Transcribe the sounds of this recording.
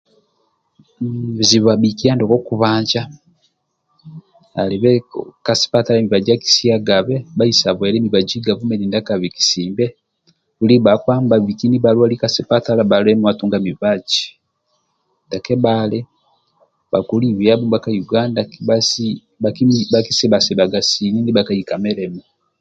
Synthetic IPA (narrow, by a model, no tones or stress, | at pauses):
βiziβaβikijaːndokokuβaːɲd͡ʒa | aliβekasi̥patalamiβaɟaki̥siaɡaβeβaisaβwelemiβaɟiɡavumenindakaβiki̥siːmbe | βuliβakwaːmbaβikiniβalwalikasipatalaβalemuwatuːŋɡamiβaɟi | dakeβale | βakuliβjaβumβakajuɡaːndaβas | βakiβakisiβasiβaɡasininiβakaikameɾemu